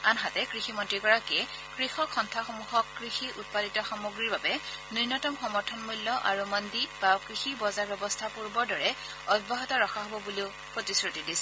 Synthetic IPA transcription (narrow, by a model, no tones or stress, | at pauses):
anɦatɛkɹiximɔntɹiɡɔɹakiɛ | kɹixɔkxɔntʰaxomuɦɔkːɹixiut̚paditɔxamuɡɹiɹbabɛniɹnɔtɔmxɔmɔɹtʰɔnmulːɔʔa̰ɹumɔndib̥akɹixibɔzaɹbjɔbɔstʰapuɹbɔɹdɔɹɛ | ɔbaɦɔtɔɹɔxʰaɦobɔbuliʊ | pɹotisɹutidisɛ̥